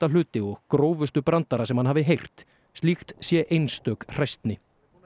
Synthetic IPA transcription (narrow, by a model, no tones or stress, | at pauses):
alʏːt̪ɪɔɣkɾoːwvʏst̪ʏpɾant̪aɾasɛmhanɦaːvɪɦejr̥t̪ | st̪lixt̪sjɛʔejnst̪œːkr̥ajst̪nɪ